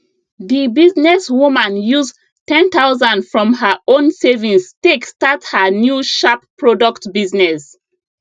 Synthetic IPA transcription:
ðibiznɛswumãnjuz | tɛ̃nt̪aʊzãndfɹɔ̃mhəʔõnsevĩŋstekstathənjuʃapː | ɹɔdɔktbiznɛs

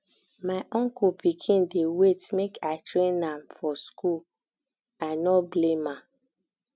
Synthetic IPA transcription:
maɪʔɔ̃ŋkupikʰĩndewetmekʰatɾẽnãmfɔskul | anɔblema

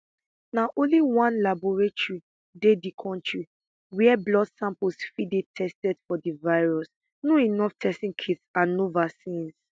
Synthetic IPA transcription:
naʔõnliwãnlabɔɹetɹi | dedikʰɔ̃ntɹi | wiɛblɔdsãmpəlsfidetʰɛstɛdfɔdivaɪɹɔs | noinɔftʰɛstĩŋkʰitsãnːovasĩns

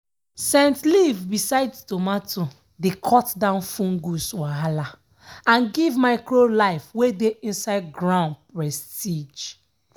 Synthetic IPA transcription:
sɛ̃ntlivbisaɪdstomato | dekʰɔtdãʊ̃nfũŋɡuswaɦala | ãnɡivmaɪkɹolaɪfwedeʔĩnsaɪd̚ɡɹãʊ̃ndpɹɛstid͡ʒ

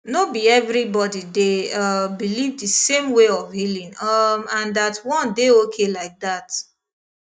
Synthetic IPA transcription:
nobiɛvɾibɔdideʌbilivdisẽmweɔvhilĩŋʌmãndatwɔ̃ndeokʰelaɪk̚dat

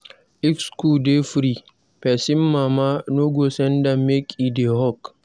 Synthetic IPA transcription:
ʔɪkskudefɾi | pɛsɪmːamanoɡosɛndɐmːekʼideɦɔk

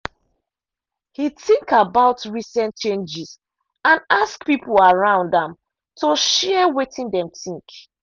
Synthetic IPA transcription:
hitĩŋkabaʊtɹisɛ̃nt͡ʃẽnd͡ʒiz | ãnaskpipl̩aɹãʊ̃ndãm | toʃɛwetĩndɛ̃mtĩŋk

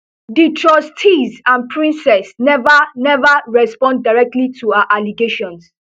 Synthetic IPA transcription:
ditʰɹɔstʰizãnpʰɹĩnsɛsnɛvanɛvəɹɛspɔ̃ndːaɪɹɛk̚tlitʰuaaʔaliɡeʃɔ̃ns

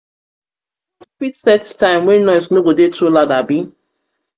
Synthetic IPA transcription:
fitsɛttãɪ̃mwɛnnɔjsnobodetoladabi

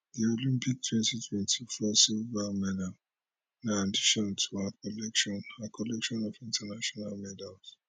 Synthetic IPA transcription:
diolĩmpik̚tʰwɛ̃ntitʰwɛ̃ntʰifɔsivamɛda | naadiʃɔ̃ntʰuakɔlɛkʃɔ̃nakʰɔlɛkʃɔ̃nɔvĩntʰanaʃɔnalmɛdals

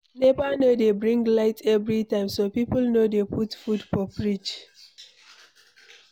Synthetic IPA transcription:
nebanodebɾĩŋɡlaɪtʰɛvɾitãɪ̃msopipʊlnodepʰutfudfɔpɹit͡ʃ

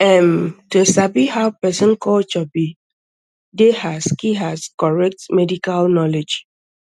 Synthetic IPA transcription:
ɛ̃mtusabihaʊpɛsɔ̃nkʰɔlt͡ʃɔbi | dehaskiɦaskɔɹɛk̚tmɛdikalnɔled͡ʒ

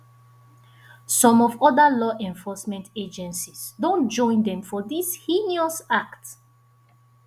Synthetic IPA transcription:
sɔ̃mɔvɔdəlɔʔɛ̃ɱfɔsmɛ̃nted͡ʒɛ̃nsisdõntd͡ʒɔ̃ɪ̃ndɛ̃mfɔdishiniosakt

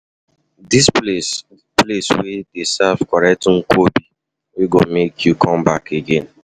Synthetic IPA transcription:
disples | pleswɛdesavkɔɹɛk̚tŋ̩kʰobi | wiɡomekʰjukʰɔ̃mbakʰeɡẽn

